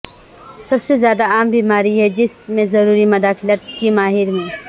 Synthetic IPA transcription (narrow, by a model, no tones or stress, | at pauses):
sɐbsezjaːd̪aaːmbʱiːmaːɾiɦɛd͡ʒɪsmẽzɐɾuːɾimɐd̪aːxɪlət̪̚kimaːɦɪɾmẽː